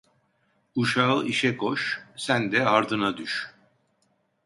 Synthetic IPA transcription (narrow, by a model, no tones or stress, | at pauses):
uʃaɯiʃɛkʰoʃsænd̪ɛaɾd̪ɯnad̪yʃ